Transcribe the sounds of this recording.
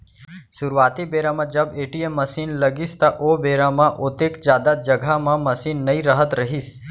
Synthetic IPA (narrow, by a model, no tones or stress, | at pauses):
sʊɾuʋaːt̪ibeːɾamãd͡ʒɐbeːʈiemːɐsiːnlɐɡist̪aʔoːbeːɾamãʔot̪ekd͡ʒjaːd̪ad͡ʒɐɡʱamãmɐsiːnːɐĩɾəɦət̪ɾɐɦis